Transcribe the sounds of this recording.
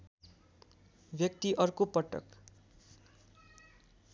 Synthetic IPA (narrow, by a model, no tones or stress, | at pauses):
bjʌk̚t̪iʔʌrkopʌʈʌ̰k